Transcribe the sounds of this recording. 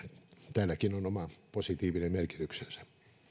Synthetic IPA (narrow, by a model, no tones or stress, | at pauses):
t̪æːlːækinonomɑposit̪iːʋinemmerki̥t̪yksensæ̥